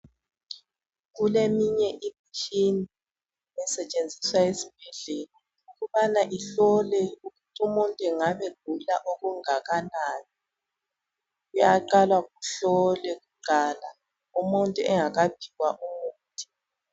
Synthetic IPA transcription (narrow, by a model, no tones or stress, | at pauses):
ɣulemiɲɛʔimit͡ʃʰʼini | mɛsɛt͡ʃʼend͡zʱiswajesib̥ʱɛɮɛla | uɣuβanaʔiɬɔlɛuɣutʰumuntʼuɛŋaβɛɡ̥̚ʱulaʔoɣuŋaɣanani | ujaǃalwaɣuɬɔlɛɣuǃʱaːla | umuntʼuɛŋaɣab̥ʱiɣwaʔumuːtʰʼi̥